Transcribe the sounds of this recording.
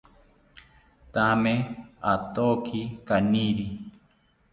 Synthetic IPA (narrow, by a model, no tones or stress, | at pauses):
t̪ameat̪okʰikaniɾi